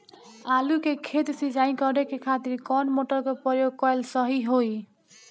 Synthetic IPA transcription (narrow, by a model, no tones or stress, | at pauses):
alukekʰet̪sid͡ʒaj̃kʌɾekekʰat̪iɾkʌnmoʈʌɾkopʌjoɡ̚kʌjlsʌɦiɦoj